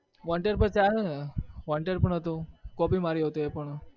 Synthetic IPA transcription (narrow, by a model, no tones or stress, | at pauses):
ʋaɳʈeɾpət͡ʃaɾ | ʋaɳʈeɾpəɳɦət̪okɔpimaɾiɦot̪oepəɳ